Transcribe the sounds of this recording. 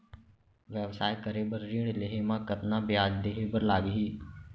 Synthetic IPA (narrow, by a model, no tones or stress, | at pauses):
ʋɛːʋsaːjkəɾeːbəɾɾiːɽleɦeːmãːkət̪nãːbɪjaːd͡ʒd̪eːɦeːbəɾlaːɡiɦiː